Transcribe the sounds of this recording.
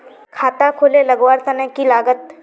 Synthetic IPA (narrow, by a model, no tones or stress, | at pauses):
kʰaːt̪akʰoːlelɐɡwaːɾt̪ɐnə̃kilaːɡət̪